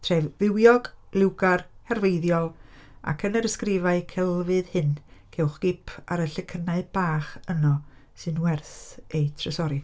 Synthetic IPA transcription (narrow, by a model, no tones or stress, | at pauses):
tʰrɛvvɪwjɔɡ̥lɪwɡarhɛrveɨðjɔlˠa̰kʰənəɾəskrɪvaɨkʰɛlˠvɨðhɨnkʰɛwχɡ̥ɪpʰaɾəɬəkʰənaɨb̥aːχənɔ | sɨnwɛrθejtʰrəsɔɾɪ